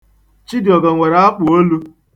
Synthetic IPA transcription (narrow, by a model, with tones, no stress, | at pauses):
t͡ʃi˦dɪ˨ɔ˨ɡa˨ŋʷe˨ɾa˦a˦k͡pʊ˨o˦lu˦